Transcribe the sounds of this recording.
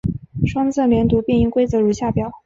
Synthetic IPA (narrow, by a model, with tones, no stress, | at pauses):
ʂwɑ˥ŋt͡sʰɤ˥˩ljɛ˧˥nt̪u˧˥pjɛ˥˧ni˥˩ŋkwe˥ɪt͡sɤ˧˥ɻu˧˥ɕja˥˩pjɑ˨˩˦ʊ